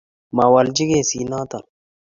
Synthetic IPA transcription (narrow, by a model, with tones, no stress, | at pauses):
ma˨wa˨ld͡ʒɪ˦ɡeː˦˨si˨naː˦t̪a˨n